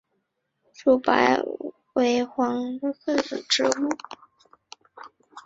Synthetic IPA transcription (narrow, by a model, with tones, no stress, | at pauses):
ʈ͡ʂu˨˩pa̰˧˥ɪ | we˧˥ɪxwɑ˧˥ŋ˥xɤ˥˩t͡s̩˨˩ʈ͡ʂɻ̩˧˥u˥˩